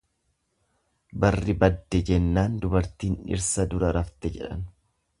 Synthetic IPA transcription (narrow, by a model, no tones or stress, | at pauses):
bɐrːɪbɐd̪ːɛd͡ʒɛnːaːnd̪ʊbɐɾt̪iːnɪ̰ɾsɐd̪ʊɾɐɾɐft̪ɛd͡ʒɛᶑɐ̰n